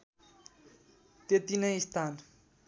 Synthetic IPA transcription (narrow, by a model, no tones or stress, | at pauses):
t̪et̪inʌjist̪ʰan